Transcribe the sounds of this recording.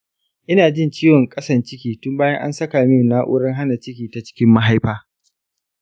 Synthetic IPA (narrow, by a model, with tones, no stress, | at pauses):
ʔɪ˦naː˨d͡ʒɪ˦nt͡ʃiː˦wɔ˨ŋkʼɐ˦sɐ˨nt͡ʃɪ˦kʲiː˨tʊ˦mbaː˦jɐ˦ŋʔa̰˦nsɐ˦kaː˨mɪ˦˨naː˦ʔʊ̰ː˦ɽɐ˦ŋɦa˦na˨t͡ʃɪ˦kʲiː˨ta˨t͡ʃɪ̥˦kʲɪ˦mːa˦ɦa˦jɸaː˦